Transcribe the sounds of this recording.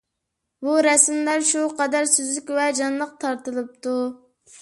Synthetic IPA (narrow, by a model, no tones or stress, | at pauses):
buɾɛsmlæɾʃuqɑd̪ɑɾsyzlykʲvɛd͡ʒɑnlˠəq̚t̪ʰɑɾt̪ɨlˠɨp̚t̪u